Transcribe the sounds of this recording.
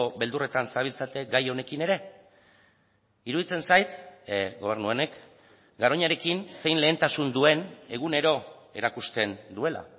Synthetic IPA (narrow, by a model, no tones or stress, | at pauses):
oβe̞ld̪ure̞t̪ansaβ̞ilt͡sat̪e̞ɡajo̞ne̞kine̞ɾe̞ | iɾuðit͡se̞nsajt̪ɡo̞β̞e̞ɾnuene̞k | ɡaɾo̞ɲaɾe̞kinse̞jnle̞ːnt̪asund̪ue̞ne̞ɣ̞une̞ɾo̞e̞ɾakust̪e̞nd̪ue̞la̰